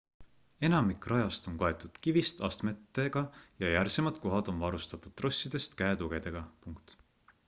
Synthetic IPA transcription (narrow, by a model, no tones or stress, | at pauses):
e̞nɑmikːˑrʔɑjɑst̪o̞nkoe̞t̪ːˑud̪̥kivist̪ɑ̰st̪me̞t̪ːˑeɡ̥ɑjɑjærsemɑd̪̥ko̞ɦɑd̪o̞nvɑɾust̪ɑt̪ːˑud̪̥̚t̪ːrʔo̞sʲːid̪̥e̞st̪kæet̪uɡ̥e̞d̪̥e̞ɡ̥ɑpuŋkt̪